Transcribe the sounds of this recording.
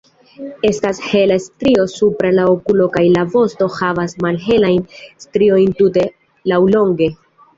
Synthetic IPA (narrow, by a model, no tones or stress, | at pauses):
e̞stashe̞lastɾio̞supɾalaokulo̞kajlavo̞sto̞havasmalɦe̞lajnstɾio̞jntute̞ | lawlo̞ŋɡe̞